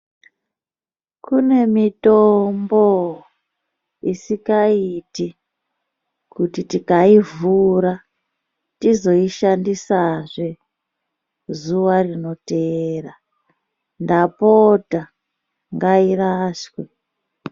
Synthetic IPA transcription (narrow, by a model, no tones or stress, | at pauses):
kune̞mitombo̞ | isikaiti | kutitikaivuɾa | tizo̞iʃandisaʐe | zuʋarino̞tera | ndapota | ŋɡairaʃwe